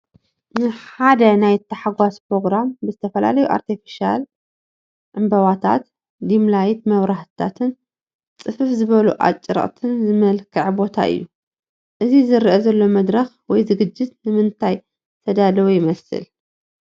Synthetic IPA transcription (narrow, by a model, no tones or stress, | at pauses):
nɨħad̪ɐnajt̪ʰːɐħaɡʷaspɾo̞ɡɾambɨzɨt̪ʰɐfɐla̰lɐjuʔa̰ɾt̪ʰifi̥ʃa̰l | ʕɨmbɐwat̪ʰa̰t̪ | d̪imlajt̪mɐβɾaht̪ʰa̰t̪ʰɨn | t͡sʼɨfɨfzɨβɐluʔa̰t͡ʃʼːɾɐ̰χʼt̪ʰɨnzɨmɐlkʰɨʕbo̞t̪ʰa̰ʔɨ̰jːu | ʔɨzizɨɾʔɐzɐlːo̞mɐd̪ɾɐx | wɔjzɨɡɨd͡ʒːɨt̪nɨmɨnt̪ʰaj | t̪ʰɐd̪alɐwujɪmɐsɨ̰l